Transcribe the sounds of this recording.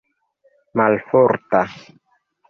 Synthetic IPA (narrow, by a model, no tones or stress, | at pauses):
malfɔɾt̪a